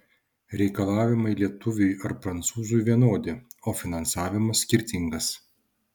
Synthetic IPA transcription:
ɾʲɛɪkɐlˠɑːʋʲɪmɐɪlʲiɛt̪ʊʋʲʊjɐɾpɾɐnt̪suːzʊjʋʲiɛnoːd̪ʲɪoːfʲɪnɐnsɑːʋʲɪmɐsʲsʲkʲɪɾʲt̪ʲɪŋɡɐs

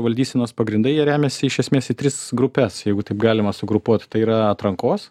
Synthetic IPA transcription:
ʋɐlʲd̪ʲiːsʲɛnoːspɐɡɾʲɪnd̪ɐɪjiɛɾʲæːmʲɛsʲɪɪʃʲɛsmʲeːsɪt̪ʲɾʲɪsɡɾʊpʲɛsjɛɪɡʊt̪ɐɪpɡɑːlʲɪmɐsʊɡɾʊpuɔt̪ʲt̪ɐɪiːɾɐɐt̪ɾɐŋkoːs

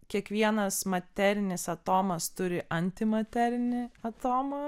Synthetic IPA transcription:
kʲiɛkʋʲiɛnɐsmɐt̪ʲæɾʲɪnʲɪsɐt̪oːmɐst̪ʊɾʲɪʔɐnʲt̪ʲɪmɐt̪ʲæɾʲɪnʲɪɐt̪oːmɐ

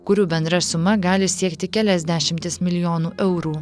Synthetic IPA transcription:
kʊɾʲuːbʲɛnd̪ɾɐsʊmɐɡɑːlʲɪsʲiɛkt̪ʲɪkʲæːlʲɛzʲd̪ʲæʃʲɪmʲt̪ʲɪsmʲɪlʲɪjoːnuːʔɛʊɾuː

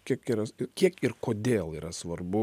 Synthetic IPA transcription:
kʲiɛkiːɾɐɪkʲiɛkɪrkoːd̪ʲeːlˠiːɾɐsʋɐrbʊ

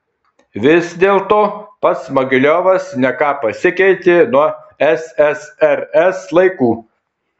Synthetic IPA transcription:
ʋʲɪsd̪ʲeːlˠt̪oːpɐt̪smɐɡʲɪlʲoːʋɐsnʲɛkɑːpɐsʲɪkʲɛɪt̪ʲenuɔ | ɛsɛsɛɾɛslˠɐɪkuː

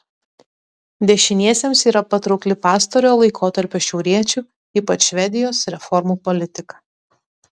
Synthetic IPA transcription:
d̪ʲɛʃʲɪnʲiɛsʲemsiːɾɐpɐt̪ɾɒʊkʲlʲɪpɑːst̪oɾʲoːlˠɐɪkʰoːt̪ɐɾʲpʲoːʃʲɛʊɾʲiɛt͡ʃʲuː | iːpɐt͡ʃʃʲʋʲɛd̪ʲɪjoːsɾʲɛfɔɾmuːpɔlʲɪt̪ʲɪkɐ

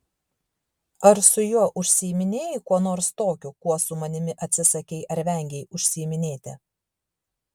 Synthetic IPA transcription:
ɐɾsʊjuɔʔʊʃʲsʲiɪmʲɪnʲeːjɪkuɔnoːɾst̪oːkʲʊkuɔsʊmɐnʲɪmʲɪʔɐt̪ʲsʲɪsɐkʲɛɪʔɐɾʲʋʲɛˑŋʲɡʲɛɪʊʃʲsʲɪmʲɪnʲeːt̪ʲɪ

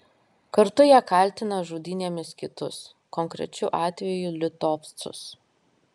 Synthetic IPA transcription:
kɐɾt̪ʊjɛkɑˑlʲˑt̪ʲɪnɐʒuːd̪ʲɪnʲeːmʲɪskʲɪt̪ʊs | kɔŋkɾʲɛ̰t͡ʃʲʊʔɑːt̪ʲʋʲɛjuːˑlʲɪt̪oːp̪t̪sʊ̰s

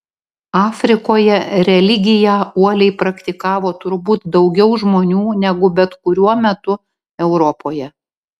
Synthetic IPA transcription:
ɑːfʲɾʲɪkoːjɛɾʲɛlʲɪɡʲɪjæːuɔlʲɛɪpɾɐkt̪ʲɪkɑːʋoːt̪ʊɾbuːt̪d̪ɒʊɡʲɛʊʒmoːnʲuːnʲɛɡʊbʲɛt̪kʊɾʲuɔmʲɛt̪ʊ | ɛʊɾɔpoːjɛ

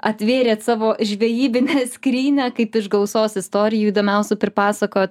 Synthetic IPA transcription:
ɐt̪ʲʋʲeːɾʲeːt̪sɑːʋoːʒʲʋʲɛjiːbʲɪnʲɛsʲkɾʲiːnʲɛːkɐɪpɪʃɡɐʊsoːsɪst̪oːɾʲɪjuːiːd̪oːmʲɛʊsʲɛpʲɾʲɪpɑːsɐkoːjt̪

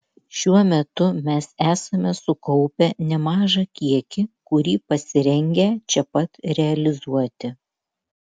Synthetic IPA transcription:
ʃʲuɔmʲɛt̪ʊmʲɛsæːsɐmʲɛsʊkɔʊpʲɛnʲɛmɑːʒɐkʲiɛkʲɪkʊɾʲiːpɐsʲɪɾʲɛŋʲɡʲɛt͡ʃʲɛpɐt̪ɾʲɛɐlʲɪzuɔt̪ʲɪ

